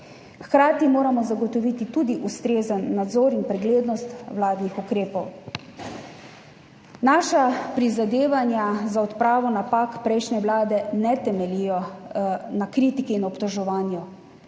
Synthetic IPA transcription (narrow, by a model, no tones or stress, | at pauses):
xkɾaːt̪imoːɾamɔzaɡɔt̪ɔʋit̪it̪ud̪iʔust̪ɾeːzənːad̪zɔːɾinpɾɛɡleːd̪nɔst̪ʋlaːd̪nixukɾeːpɔw | naːʃapɾizad̪eːʋanjazaɔt̪pɾaːʋɔnapakpɾɛjʃnɛwlaːd̪ɛnɛt̪ɛmɛlijɔ | nakɾiːt̪ikiːnɔpt̪ɔʒɔʋaːnju